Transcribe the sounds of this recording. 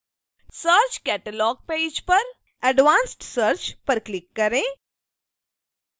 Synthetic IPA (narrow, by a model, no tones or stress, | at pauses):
səːɾt͡ʃkɛːʈəlɔːɡ̚peːd͡ʒpɐɾ | ɛɖʋãːnsʈsəɾt͡ʃpɐɾklɪkːɐɾẽː